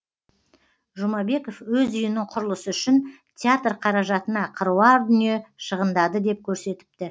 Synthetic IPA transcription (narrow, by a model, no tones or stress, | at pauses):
ʒʊmɑbe̞ko̞fwɵzʏjɪnɪŋqʰʊɾəlˠəsəʏʃɪn | t̪ʲʰeat̪rqʰɑɾɑʒɑt̪ənɑqʰəɾuɑɾd̪ʏnije̞ʃəʁənd̪ɑd̪əd̪e̞p̚kʲʰɵɾse̞t̪ɪ̥p̚t̪ɪ